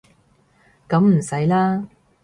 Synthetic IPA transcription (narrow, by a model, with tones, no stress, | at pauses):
kɐ˨˧˥mm̩˨˩sɐ˨˥jlaː˥